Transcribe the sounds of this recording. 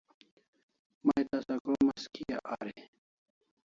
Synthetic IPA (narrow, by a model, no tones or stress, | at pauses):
mɐjt̪ɐsɐkomɐskʰija̰ʔa̰ɾe